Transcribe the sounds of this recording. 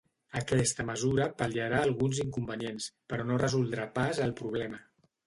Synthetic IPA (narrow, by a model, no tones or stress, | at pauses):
əkɛst̪əməzuɾəpəliəɾaːlˠɣunziŋkumbənienspəɾɔnorəzulˠd̪ɾapazəlˠpɾuβ̞lɛmə